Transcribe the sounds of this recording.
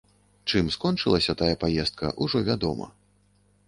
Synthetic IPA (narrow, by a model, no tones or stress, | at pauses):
t͡ʂɨmskɔnt͡ʂɨlˠɐsʲɐt̪ajɐpajɛst̪̚kɐ̰ʔuʐɔvʲad̪ɔmɐ̰